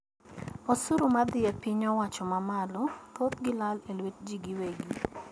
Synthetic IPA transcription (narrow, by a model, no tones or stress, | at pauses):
osuɾumad̪ɪɛpiɲɔwat͡ʃɔmamalɔkot̪ɡɪlalelwet̚d͡ʒiɡiweɡi